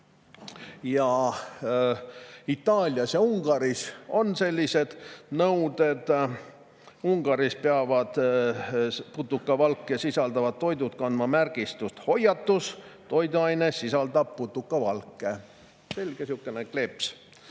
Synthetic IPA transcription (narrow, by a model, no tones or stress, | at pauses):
jɑ | it̪ːˑɑːlʲjɑsjɑuŋɡ̥ɑɾiso̞nse̞lʲːise̞d̪̥nɤwd̪e̞d̪ | uŋɡ̥ɑɾispeɑvɑd̪̥ | put̪ːˑukːˑɑvɑlkːˑesisɑld̪ɑvɑd̪̥̚t̪ːo̞jd̪ut̪̚kɑnd̪̥mɑmærɡ̥ist̪ust̪ho̞jɑt̪ːust̪o̞jd̪uɑjnesisɑld̪ɑb̥̚put̪ːˑukːˑɑvɑlkːˑe | se̞lʲɡ̥esukːˑenekle̞ps